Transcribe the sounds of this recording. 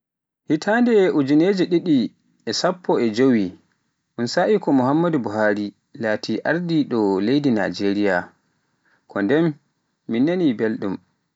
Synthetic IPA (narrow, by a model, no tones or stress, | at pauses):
hitʰaːndɛʔud͡ʒuneːd͡ʒiɗiɗi | ɛsapːɔɛd͡ʒowi | ʔunsaʔikɔmuhamːadubuɦaːɾi | laːtʰiʔaɾdiɗɔlejdina̰d͡ʒeɾija̰ | kʰɔndɛmː | inːanibelɗum